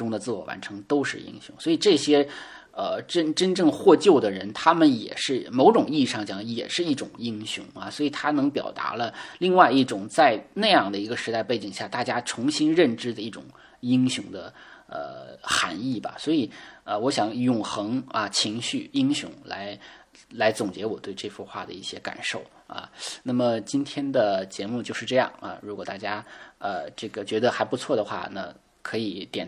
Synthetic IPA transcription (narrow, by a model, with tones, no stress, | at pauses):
ʈ͡ʂʊ˥ŋd̪ə˨t͡sɹ̩˥˩wɔ˨˩wa̰˧˥nʈ͡ʂʰɤ˧˥ŋt̪o˥ʊʂɻ̩˥˩ḭ˥ŋɕjʊ̰˧˥ŋswɔ˧˥i˨˩ʈ͡ʂɤ˥˩ɕjɛ˥ | ə˧ʈ͡ʂə˥nʈ͡ʂə˥nʈ͡ʂɤ˥˧ŋxwɔ˥˧t͡ɕjo˥˩ʊd̪ə˩ɻə˧˥nt̪ʰa˥mə˨njɛ̰˨˩ʂɻ̩˥˩mo˧˥ʊʈ͡ʂʊ˨˩ŋi˥˩ʂɑ˥˩ŋt͡ɕjɑ˥˩ŋi˥˩jɛ̰˨˩ʂɻ̩˥˧i˥˩ʈ͡ʂʊ˨˩ŋi˥ŋɕjʊ̰˧˥ŋɐ˧swɔ˧˥i˨˩t̪ʰa˥nɤ˧˥ŋpjɑ̰˨˩ʊt̪a̰˧˥lə˧li˥˧ŋwa˥˧ɪi˥˩ʈ͡ʂʊ˨˩ŋt͡sa˥˧ɪna˥˧ɪjɑ˥˩ŋd̪ə˩i˧˥ɡə˧ʂɻ̩˧˥t̪a˥˧ɪpe˥˩ɪt͡ɕi˨˩ŋɕja˥˩t̪a˥˩t͡ɕja˥ʈ͡ʂʰʊ˧˥ŋɕi˥nɻə˥˩nʈ͡ʂɻ̩˥d̪ə˨i˥˩ʈ͡ʂʊ̰˨˩˦ŋ | i˥ŋɕjʊ˧˥ŋd̪ə˧ | ə̰˧˩xa̰˧˥ni˥˩bɐ̰˩swɔ˧˥i˨˩˦ə˧wɔ˧˥ɕjɑ˧˥ŋjʊ˨˩ŋxɤ˧˥ŋɐ˧t͡ɕʰi˧˥ŋɕy˥˩i˥ŋɕjʊ̰˧˥ŋla̰˧˥ɪ | la˧˥ɪt͡sʊ˨˩ŋt͡ɕjɛ˧˥wɔ˨˩t̪we˥˧ɪʈ͡ʂɤ˥˧fu˥˧xwa̰˥˩d̪ə̰˩i˥˩ɕjɛ˥ka̰˨˩nʂo˥˩ʊ | ɐ̰˧na˥˩mə˩t͡ɕi˥nt̪ʰjɛ˥nd̪ə˨t͡ɕjɛ˧˥mu˥˧t͡ɕjo˥˧ʊʂɻ̩˥˧ʈ͡ʂɤ˥˧jɑ̰˥˩ŋɐ̰˧ɻu˧˥kwɔ˨˩t̪a˥˩t͡ɕja˥ə˧ʈ͡ʂɤ˥˩ɡə˩t͡ɕɥɛ˧˥d̪ə˧xa˧˥ɪpu˧˥t͡sʰwɔ˥˩d̪ə˩xwa̰˥˩na̰˥˩ | kʰɤ˧˥i˨˩t̪jɛ˨˩n